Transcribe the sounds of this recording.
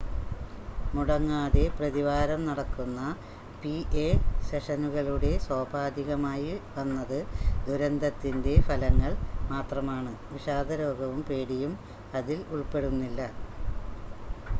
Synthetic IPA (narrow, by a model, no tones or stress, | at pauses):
muɽɐŋːaːðe̞prɐðiʋaːɾɐmnɐɽɐkːunːɐ | piʔeseʂɐnuɣɐɭuɽe̞soːbʱaːd̪iɣɐmaːjiʋɐnːɐðɨd̪uɾɐnd̪ɐt̪ːinde̞fɐlɐŋːɐɭmaːt̪rɐmaːɳɨʋiʂaːd̪ʱɐɾo̞ːɡɐʋumpe̞ːɽijum | ɐðiluɭpe̞ɽunːilːɐ